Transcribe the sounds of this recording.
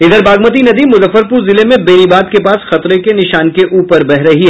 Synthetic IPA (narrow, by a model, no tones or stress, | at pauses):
ɪd̪əɾbaːɡmət̪̬inɐd̪imʊzəfːəɾpuːɾzɪlemẽbeːɾibaːd̪kepaːsxɐt̪ɾekenɪʃaːnkeʔuːpəɾbɛɦɾɐɦiɦɛː